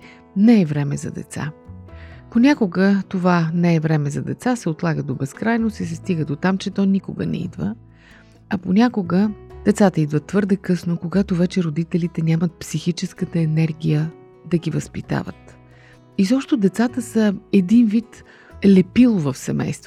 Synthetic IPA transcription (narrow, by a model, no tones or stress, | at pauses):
nɛɛvɾɛmɛzɐ̰d̪ɛ̰t̪sa̰ | ponʲakoɡət̪ovanɛɛvɾɛmɛzɐd̪ɛt̪sasɛot̪lˠaɡəd̪obɛskɾajnosisɛst̪iɡəd̪ot̪amt͡ʃɛt̪ɔnikoʊ̰ɡə̰nɛ̰ḭd̪və̰ | ɐponʲakoɡəd̪̥ɛt̪sat̪əid̪vət̪ːvɤɾd̪ɛkɤsnokoɡat̪ovɛt͡ʃɛɾod̪it̪ɛlit̪ɛnʲamət̪̚psixit͡ʃɛskət̪əɛnɛɾɡʲijə | d̪ɐɡivəspit̪a̰və̰t̪ | izɔpʃt̪od̪ɛt̪sat̪əsəɛd̪invit̪ | lɛpilˠvəfsɛmɛ̰jst̪v